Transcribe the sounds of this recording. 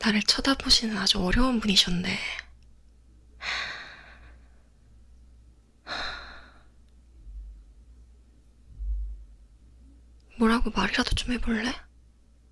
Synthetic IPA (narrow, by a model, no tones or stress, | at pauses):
naɾɯɭt͡ɕʰʌdaboɕʰinɯnad͡ʑuʌɾjʌunpuɲiɕʰʌnːe̞ | mwʌɾɦaɡomaɾiɾad̥ot͡ɕomɦe̞boɭːe̞